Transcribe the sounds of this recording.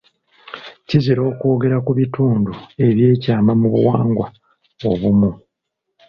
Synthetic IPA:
ciziɾo̞ːko̞ːɡe̞ɾakuβituːndue̞βje̞ːcaːmamuβṵwaːŋɡwa | oβumu

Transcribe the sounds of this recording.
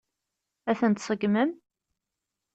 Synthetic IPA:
æθənt̪sˤəɡməm

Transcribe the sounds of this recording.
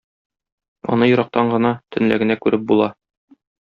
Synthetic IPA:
ɒ̰nɤjŏɾɑq̚t̪ɑɴɢɤ̆nɑt̪ʰɵ̆nlæ̰ɡɘ̆nækʉɾɘp̚bulˠɑ

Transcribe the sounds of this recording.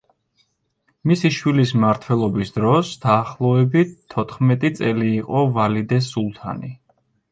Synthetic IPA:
misiʃwilismaɾt̪ʰwɛlˠɔbisd̪ɾɔsd̪̥aːχlˠɔɛbit̪ʰːɔt̪ʰχmɛt̪ʼit̪sʼɛliːqʼɔvalid̪ɛsulˠt̪ʰa̰ni

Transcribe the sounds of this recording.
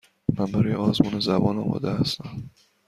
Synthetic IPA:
mænbæɾɒːjeɒːzmuːnezæbɒːnɒ̰ːmɒ̰ːd̪ehæst̪æm

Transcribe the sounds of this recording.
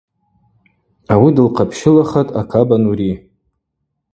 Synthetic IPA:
awidɨlqʰapʰʃɪlaχatʼakʰabanuɾi

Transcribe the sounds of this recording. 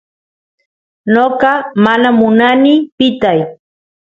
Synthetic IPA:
noqɑmanamʊnanipɪt̪aj

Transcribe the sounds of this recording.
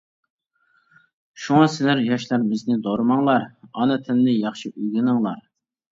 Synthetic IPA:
ʃuŋɑsɪlæɾjɑʃlæɾmɪznɪd̪oɾɨmɑŋlˠɑɾɑnɨt̪ʰɪnɪnɪjɑχʃiʔyɡʲɪnɨŋlˠɑ̰ɾ

